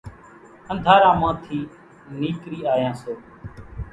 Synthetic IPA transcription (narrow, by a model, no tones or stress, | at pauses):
ə̃nd̪ʱaːɾãːmãːt̪ʰiː | niːkɾiːaːjãːsoː